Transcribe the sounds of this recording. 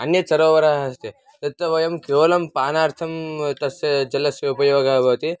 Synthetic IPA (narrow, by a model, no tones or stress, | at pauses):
ɐnjɐt͡ʃɐɾoːʋɐɾaɦɐst̪e | t̪ɐt̪ːɐʋɐjɐmkeːʋɐlɐmpaːnaːɾt̪ʰɐmt̪ɐsɐd͡ʒɐlɐsjɐupɐjoːɡaːbɐʋt̪i